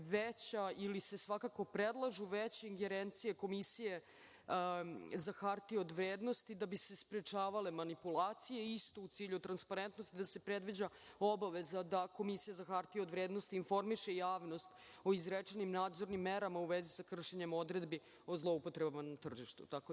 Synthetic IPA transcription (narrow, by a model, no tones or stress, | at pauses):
ʋet͡ɕailisesʋakako̞pɾed̪lˠaʒuʋet͡ɕeiŋɡeɾent̪sijeko̞misije̞ | zaxaɾt̪iod̪ʋɾeːd̪no̞st̪id̪abisespɾet͡ʃaːʋale̞manipulˠaːt̪sije̞ist̪o̞ut̪siːʎut̪ɾanspaɾent̪no̞st̪id̪ase̞pɾed̪ʋid͡ʑao̞baʋezad̪ako̞misijazaxaɾt̪iod̪ʋɾeːd̪no̞st̪iːnfo̞ɾmiʃejaːʋno̞st̪ | o̞izɾet͡ʃenimnaːd̪zo̞ɾnimːeɾamauʋezisakr̩ʃe̞ɲemo̞d̪ɾe̞d̪bi | o̞zlˠo̞upot̪ɾebamanat̪r̩ʒiʃt̪ṵt̪ako